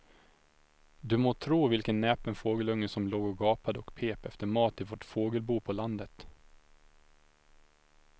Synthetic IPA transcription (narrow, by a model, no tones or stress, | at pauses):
d̪ɵmoːt̪ʰɾuːvɪlkənːɛːpənfoːɡəlɵŋːəsɔmloːɡɔɡɑːpad̪əɔkpʰeːpɛft̪əɾmɑːt̪ɪvoʈfoːɡəlbuːpʰɔland̪ət̪